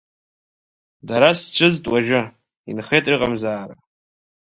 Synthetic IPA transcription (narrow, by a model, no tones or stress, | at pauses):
daɾast͡ʃʷʰɨztʼwaʒɨ | ḭnχejtʼrɨqʼamzaːra